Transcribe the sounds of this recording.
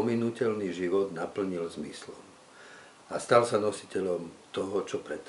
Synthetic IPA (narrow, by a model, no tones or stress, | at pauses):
ɔminucɛʎniʒiʋɔd̪napl̩ɲilzmislɔm | ast̪alsanɔsi̥cɛʎɔmt̪ɔɦɔt͡ʃɔpɾɛt̪